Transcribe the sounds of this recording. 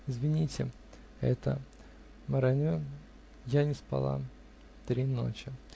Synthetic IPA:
ɪzvʲɪnʲitʲɪ | ɛ̰t̪ə̰ | məɾanʲo | janʲɪspa̰lˠa̰ | t̪ɾʲino̰t͡ɕɪ

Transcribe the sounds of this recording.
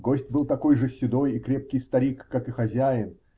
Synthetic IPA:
ɡo̞sʲtʲbɨlˠt̪ɐko̞jʐɨsʲːɪd̪o̞jikɾʲe̞p̚kʲɪjst̪ɐɾʲikːakɨxɐzʲæjɪn

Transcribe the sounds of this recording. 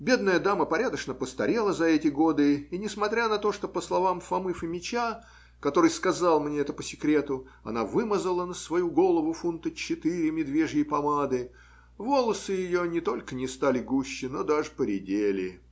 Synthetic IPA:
bʲe̞d̪nəjəd̪aməpɐɾʲad̪əʂnəpəst̪ɐ̰ɾʲe̞lˠəzɐɛtʲɪɡo̞d̪ɨinʲɪsmɐt̪ɾʲanɐt̪o̞ʂt̪o̞pəslˠɐvamfɐmɨfɨmʲɪt͡ɕa | kɐt̪o̞ɾɨjskɐzalˠmnʲeɛt̪əpəsʲɪkɾʲe̞t̪ʊ | ɐ̰navɨməzəlˠənəsvɐjuɡo̞lˠəvʊfunt̪ət͡ɕːɪt̪ɨɾʲɪmʲɪd̪vʲe̞ʐjɪjpɐmad̪ɨ | vo̞lˠəsɨjɪjonʲɪt̪o̞lʲkənʲɪst̪alʲɪɡuɕːɪnod̪aʐɨpəɾʲɪdʲelʲɪ̰

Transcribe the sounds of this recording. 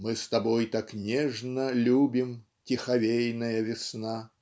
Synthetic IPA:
mɨst̪abɔjt̪aknʲɛʐnɐlʲubʲim | tʲixavʲejnɐjɐvʲɪsna

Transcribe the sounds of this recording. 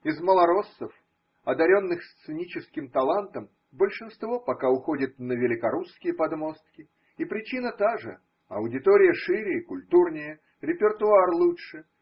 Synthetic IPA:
ɪzməlˠɐɾo̞sːəf | ɐd̪ɐɾʲo̞nːɨxst̪sɨnʲit͡ɕɪskʲɪmt̪ɐlˠant̪əm | bəlʲʂɨnst̪vo̞pɐkaʊxo̞dʲɪt̪̚nəvʲɪlʲɪkɐɾuskʲɪjəpɐd̪mo̞st̪kʲɪ | ipɾʲɪt͡ɕinət̪aʐɨ̰ | ɐ̰ʊdʲɪt̪oɾʲɪjəʂɨɾʲɪkʊlʲt̪urnʲɪjə | ɾʲɪpʲɪrt̪ʊarlˠutʂɨ

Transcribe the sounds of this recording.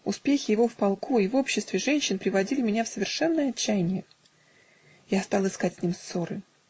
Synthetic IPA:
ʊspʲexʲɪjɪvo̞fpɐlˠkʰuivo̞pɕːɪst̪vʲɪʐɛnʲɕːɪnpɾʲɪvɐdʲilʲɪmʲɪnʲafsəvʲɪrʂɛnːəjəɐt͡ɕːæjnʲɪjə | jast̪ɑlˠɨskatʲsʲnʲimso̞ɾɨ

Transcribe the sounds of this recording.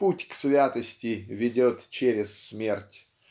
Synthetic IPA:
putʲksvʲat̪əsʲtʲɪvʲɪdʲot̪t͡ɕeɾʲɪsːmʲertʲ

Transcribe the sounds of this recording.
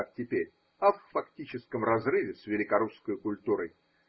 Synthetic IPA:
tʲɪpʲeɾʲ | ɐfːɐktʲit͡ɕɪskəmrɐzrɨvʲɪsvʲɪlʲɪkɐɾuskəjkʊlʲt̪uɾəj

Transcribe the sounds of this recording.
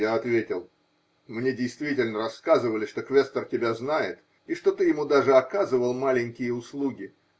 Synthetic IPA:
jaɐt̪vʲetʲɪlˠ | mnʲedʲɪjst̪vʲitʲɪlʲnəɾɐsːkazɨvəlʲɪʂt̪okvʲest̪ərtʲɪbʲaznajɪt̪ | iʂt̪o̞t̪ɨjɪmud̪aʐɨɐkazɨvəlˠmalʲɪnʲkʲɪjəʊslˠuɡʲɪ

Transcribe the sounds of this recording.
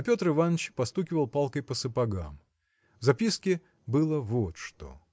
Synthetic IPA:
pʲo̞t̪rɨvanːət͡ɕpɐst̪ukʲɪvəlˠpalˠkəjpəsɨpɐɡa̰m | vzɐpʲiskʲɪ | bɨlˠəvot̪ʂt̪o̞̰

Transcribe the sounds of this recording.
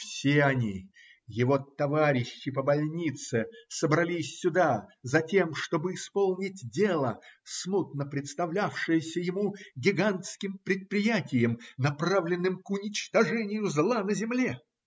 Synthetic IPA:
fsʲeɐnʲi | jɪvo̞t̪ɐvaɾʲɪɕːɪpəbɐlʲnʲit̪sɨsəbɾɐlʲisʲːʊd̪azɐtʲe̞mʂt̪o̞bɨɪspo̞lˠnʲɪtʲdʲe̞lˠəsmut̪̚nəpɾʲɪt̪st̪ɐvlʲafʂɨjəsʲəjɪmuɡʲɪɡanskʲɪmpɾʲɪt̪̚pɾʲɪjætʲɪjəmnɐpravlʲɪnːɨmkʊnʲɪt͡ɕt̪ɐʐɛnʲɪjʊzlˠanəzʲɪmlʲe̞

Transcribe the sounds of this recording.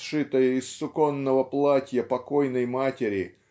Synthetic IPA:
ʂɨt̪əjəɪsːʊkonːəvəplˠatʲjəpɐkojnəjmatʲɪɾʲɪ

